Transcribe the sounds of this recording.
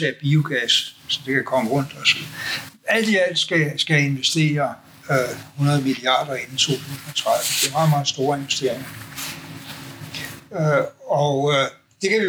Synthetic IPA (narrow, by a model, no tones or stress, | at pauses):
eɐb̥io̝ɡ̥æssɒ̽d̥e̝kʰækʰɒ̽məʁɔ̽n̰d̥ɒ̽sɒ̽iæl̰d̥iæl̰d̥sɡ̥æsɡ̥æe̝nʋesd̥e̝̰ːɐ | hunɐð̞ˠəmiliɑ̰̈ːd̥ɐe̝nn̩t͡sʰo̝̰ːt͡sʰṵːsn̩ɒt͡sʰʁɑðˠʋ̩d̥e̝ɐmɑ̈ːð̩ˠmɑ̈ːð̩ˠsd̥o̝ːɐe̝nʋesd̥e̝ɐ̰eŋɐ | øɒ | d̥e̝kʰæʋi